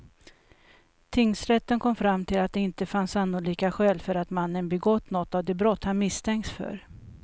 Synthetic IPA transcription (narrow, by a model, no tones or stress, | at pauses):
t̪ʰɪŋːsɾɛt̪ːənkʰɔmfɾamːt̪ʰɪlat̪̚d̪ɛɪnt̪əfansanːʊliːkaɧɛːlfœɾat̪manːənbɛɡɔt̪ːnɔt̪ːavd̪ɛbɾɔt̪ːhanmɪst̪ʰɛŋkt̪sfœ̰ɾ